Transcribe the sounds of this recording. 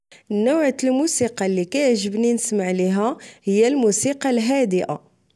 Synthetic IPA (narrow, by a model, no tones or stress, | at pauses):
nːʊwʕlmusiqɑlːikæjəʕʒəbninəsmaʕliɦæhəjːælmusiqɑlɦæd̪əʔa̰